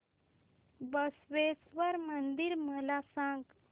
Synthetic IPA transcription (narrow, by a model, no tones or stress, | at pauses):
bəsʋesʋəɾmənd̪iɾməlasãŋɡ